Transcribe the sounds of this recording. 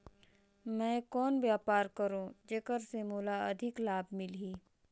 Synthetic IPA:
mɛ̃ːkɔːnʋjaːpaːɾkəɾõːd͡ʒeːkəɾsemuːlaɐd̪ʱɪklaːb̚ʱmɪlɦiː

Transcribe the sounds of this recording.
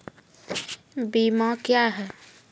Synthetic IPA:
bimãkjaɦɛː

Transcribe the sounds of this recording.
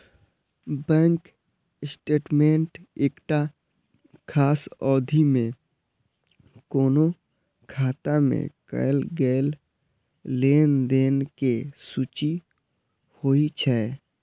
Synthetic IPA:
bɛ̃ːŋk | sʈeːʈmẽɳʈeːkʈa | kʰaːsɔːd̪ʱimẽ | koːno | kʰaːt̪amḛ̃kə̰jlɡɛːl | leːnd̪eːnkesuːt͡ʃi | hoːit͡ʃʰɛː

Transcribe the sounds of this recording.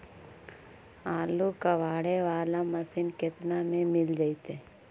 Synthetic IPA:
aːlukəʋaːɽeʋaːlamɐsinket̪namẽmɪld͡ʒait̪e

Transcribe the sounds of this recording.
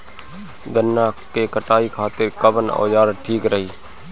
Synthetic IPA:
d̪ənːaːkeːkəʈaːikʰaːt̪ɪɾkəbənɔ̰ːjaːɾʈʰiːkɾəɦiː

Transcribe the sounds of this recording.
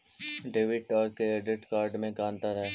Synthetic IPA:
ɖeːʋɪʈɔːɾkɛːɖɪʈkaːɾɖmẽkaːnt̪aɾɛɦeː

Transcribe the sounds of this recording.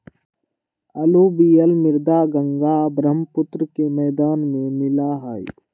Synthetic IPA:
ɐloːbijəlmɪɾd̪aːɡəŋɡaːbɾəmpʊt̪ɾəkemɛːd̪aːnmẽmɪlaːɦaːḭ

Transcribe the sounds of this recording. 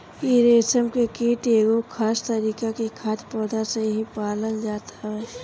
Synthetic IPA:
kiɾeːsəmkekiːʈeːɡokʰaːst̪əɾiːkakikʰaːt̪pɔːd̪ʱaseɦipaːlənd͡ʒaːt̪aɦɛː

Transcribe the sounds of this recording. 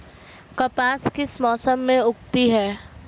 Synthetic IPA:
kɐpaːskɪsmɔːsəmːẽʊkt̪iɦɛː

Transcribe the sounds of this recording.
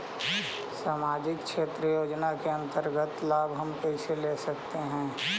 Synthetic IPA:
saːmaːd͡ʒɪkʃeːt̪ɾəjoːd͡ʒnakeɐ̃nt̪əɾɡət̪laːbɦɐmpɛːseleːsɐkt̪eɦɛ̃ː

